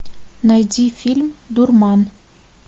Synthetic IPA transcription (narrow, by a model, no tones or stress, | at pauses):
najd̪ʲifʲilʲmd̪urmɑn